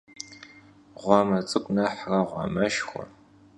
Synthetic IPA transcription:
ʁʷɑmɐt͡sʼɨkʷʼnɐħrɐʁʷɑ̰mɐʃxʷɔ̰

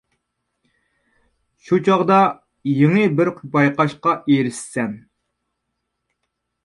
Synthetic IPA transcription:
ʃut͡ʃʰɑʁd̪ɑ | jeŋɨbɪɾqʰbɑjqɑʃqɑʔeɾɪsːɛn

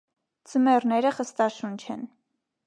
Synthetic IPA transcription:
t͡səmɛrnɛɾəχəst̪ɑʃunt͡ʃʰɛn

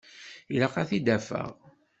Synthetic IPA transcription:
ilaqɑθid̪æfə̰ʁ

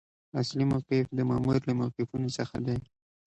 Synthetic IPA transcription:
aslimawqɪfd̪əmɑmuɾlamawqɪfunosəxa̰d̪aj

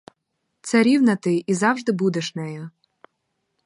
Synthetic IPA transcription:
t̪sɛɾʲiwnɐt̪ɪizɑwʒd̪ɪbud̪eʃnɛjʊ

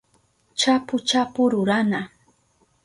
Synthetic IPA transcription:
t͡ʃapʊt͡ʃapʊɾʊɾana

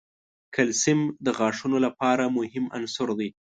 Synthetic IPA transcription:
kalsɪmd̪əɣɑʂunolapɑɾamʊhɪma̰nsʊɾd̪aj

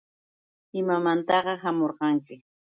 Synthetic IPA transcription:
ɪmamant̪ɑɢɑhamoɾɢɑŋkɪ

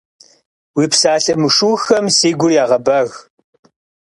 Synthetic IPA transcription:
wiːpsaːɬʼɐmɨʂuːxɐmsiːɡʷʊrjaːʁɐbɐːɣ

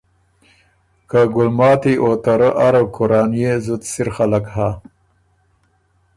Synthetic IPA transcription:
kaɡʊlmɑːt̪iʔot̪aɾəʔaɾawkʊɾɑːnjezut̪siɾxalakɦa

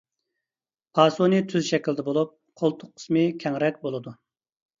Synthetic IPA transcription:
pʰɑːsonɨt̪ʰyzʃɛkʲild̪ɛbolˠup̚ | qʰolˠt̪ʰːʊqʰːə̥smɨkʲʰɛŋɾɛkʲbolˠɨd̪u

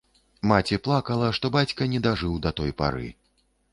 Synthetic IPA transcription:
mat͡sʲiplˠakɐlˠɐʂt̪ɔbat͡sʲkɐnʲɛd̪aʐɨwd̪ɐt̪ɔjpa̰ɾɨ̰

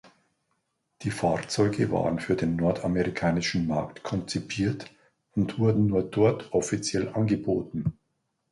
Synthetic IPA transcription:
d̥iːfaːʁt͡sɔʏɡəva̰ːʁənfyːɐdeːnːɔɐtʰameʁikʰaːnɪʃn̩maɐktkʰɔnt͡sipʰiːɐt | ʊntv̥ʊɐdn̩nuːɐdɔɐtʰʔɔfit͡sjɛlʔanɡəboːtn̩

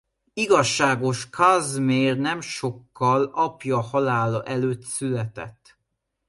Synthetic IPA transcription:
iɡɒʃːaːɡo̞ʃkʰazmeːrnɛmʃo̞kːɒlɒpjɒhɒlaːlɒʔɛløːt̪sylɛt̪ɛ̰t̪ː

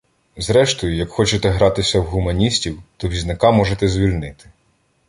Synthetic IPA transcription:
zɾɛʃt̪ɔjʊjɐkxɔt͡ʃet̪ɛɦɾɑt̪ɪsʲɐwɦʊmɐnʲisʲtʲiwt̪ɔʋʲiznɐkɑmɔʒet̪ɛzʲʋʲilʲnɪt̪ɪ̥

